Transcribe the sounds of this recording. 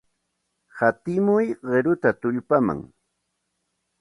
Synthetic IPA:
hat̪ɪmʊjɢeɾʊt̪at̪ʊʎpama̰ŋ

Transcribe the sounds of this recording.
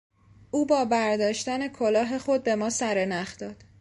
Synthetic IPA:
ʔuːbɒːbæɾd̪ɒːʃt̪æne̞kʰolɒːɦe̞xo̞d̪̚be̞mɒːsæɾenæχd̪̥ɒːd̪̥

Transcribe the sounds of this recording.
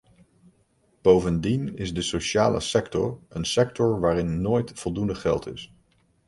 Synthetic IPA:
b̥owvəndinɪzdəsoʃaːlə̰sɛktɔɹənsɛk̚tɔɹʋaːɾɪnːoːjtfɔlˠdundəχɛ̰lˠtɪ̰s

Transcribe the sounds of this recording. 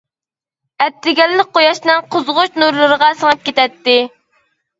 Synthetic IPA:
ɛt̪ːɪɡʲɛlːɪk̚ʲqojɑʃnɨŋqʰozʁʊt͡ʃnuɾlˠɨɾəʁɑsəŋɨp̚kʲet̪ɛt̪ːɪ

